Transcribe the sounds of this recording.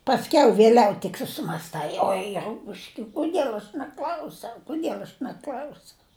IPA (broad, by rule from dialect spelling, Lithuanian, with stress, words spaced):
pɐsʲˈkʲɛʊ ʋʲeːˈlʲɛʊ tʲɪk sʊsʲɪmɐsˈtɐɪ ˈoːɪ ˈrʊpʊʃʲkʲɛ kʊˈdʲiɛlˠ ɐʃ nʲɛˈklʲɐʊsʲɛʊ kʊˈdʲiɛlˠ ɐʃ nʲɛˈklʲɐʊsʲɛʊ